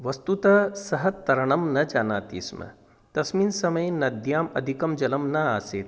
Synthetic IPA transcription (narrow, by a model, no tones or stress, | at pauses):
ʋɐst̪ut̪ɐsɐɦɐt̪ːɐɾɐɳɐmnɐd͡ʒaːnaːt̪ḭːsmɐ̰ | t̪ɐsmiːnsɐmɐjnɐd̪ʱjaːmɐ̰d̪ʱikɐmd͡ʒɐlɐmnɐaːsḛːt̪